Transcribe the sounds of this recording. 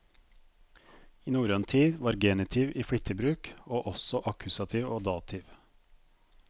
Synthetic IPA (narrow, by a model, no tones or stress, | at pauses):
iːnuːɾøːnt̪ʰiːd̪ʋɑːɾɡenɪt̪ʰɪʋiːfɽɪt̪ʰəbɾʉːkoːʔɔsɔʔɑkʰʉsɑt̪ʰiːʋoːd̪ɑːt̪ʰɪːʋ